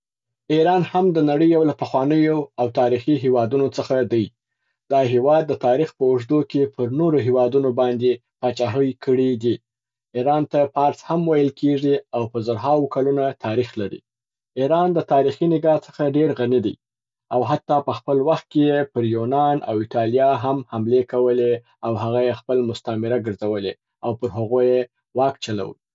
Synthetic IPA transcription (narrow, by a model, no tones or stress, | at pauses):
iɾɑnhamd̪ənaɽəjawlapəxwɑnəjoawt̪ɑɾixiɦewɑd̪unot͡səxad̪aj | d̪̥ɑɦewɑd̪ːət̪ɑɾixpəʊʐd̪okepʰəɾnoɾoɦewɑd̪unobɑnd̪e | pɑt͡ʃɑɦəjkəɽid̪i | iɾɑnt̪apɑɾshamwajəlkʰeʐiawpəzaɾɦɑwkalunat̪ʰɑɾixlaɾḭ | iɾɑnd̪ət̪ɑɾixinɪɡɑt͡sə̥xaɖeɾɣanid̪ḭ | awɦat̪ːɑpəxpəlwaxt̪̚kejepəɾjunɑna̰wɪʈɑlijɑɦamhamlekawəle | awɦaɣajexpəlmʊst̪amɪɾaɡəɾzawəle | awpəɾɦaɣoje | wɑkt͡ʃala̰wə̰